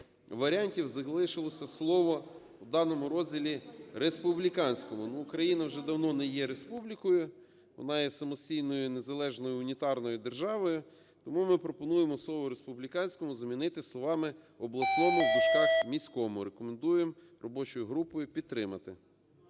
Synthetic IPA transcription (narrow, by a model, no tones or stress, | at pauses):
ʋɐɾʲɑnʲtʲiwzɐɦlˠɪʃɪlˠɔsʲɐslˠɔʋɔ | wd̪ɑnɔmʊɾɔzʲdʲilʲiɾespʊblʲikɑnʲsʲkɔmʊnuːkɾɐjinɐwʒɛd̪ɐwnɔnɛjɛɾespublʲikɔjʊ | ʋɔ̰nɑjɛsɐmɔsʲtʲijnɔjʊne̞zɐlˠɛʒnɔjʊːnʲit̪ɑrnɔjʊd̪e̞rʒɑʋɔjʊ | t̪ɔmumɪpɾɔpɔnujemɔslˠɔʋɔɾespublʲikɑnʲsʲkɔmʊzɐmʲinɪt̪ɪslˠɔʋɑmɪ | ɔblˠɐsnɔmʊd̪ɐt͡ʃkɑxmʲisʲkɔmʊɾekɔmend̪ujem | rɔbɔt͡ʃɔjʊɦɾupɔjʊpʲid̪̚ɾɪmɐt̪ɪ